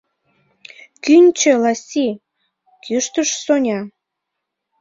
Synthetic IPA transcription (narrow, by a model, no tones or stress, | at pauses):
kynʲt͡ɕølɑsʲi | kyʃt̪əʃsonʲɑ